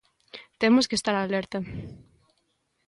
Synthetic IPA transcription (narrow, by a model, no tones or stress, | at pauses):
t̪emoskest̪aɾalɛɾt̪ɐ